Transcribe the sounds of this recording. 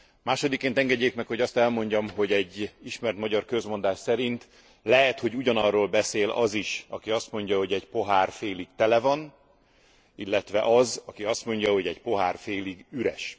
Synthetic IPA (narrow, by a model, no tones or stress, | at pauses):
maːʃo̞d̪ikːeːnt̪ɛŋɡɛɟːeːkmɛkho̞ɟɒst̪ɛlmo̞ɲɟɒmɦo̞ɟɛɟːiʃmɛrt̪mɒɟɒrkøzmo̞nd̪aːʃsɛɾint̪ | lɛɦɛt̪ho̞ɟuɟɒnɒrːoːlbɛseːlɒ̰ziʃɒ̰kiɒst̪mo̞ɲɟɒɦo̞ɟɛcpo̞ɦaːrfeːliɡt̪ɛlɛvɒn | ilːɛt̪ʋɛʔɒzɒkiɒst̪mo̞ɲɟɒɦo̞ɟɛɟpo̞ɦaːrfeːliɡyɾɛ̰ʃ